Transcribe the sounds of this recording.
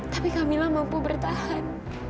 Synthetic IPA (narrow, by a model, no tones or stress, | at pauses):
t̪apikamilahmampubərt̪ahan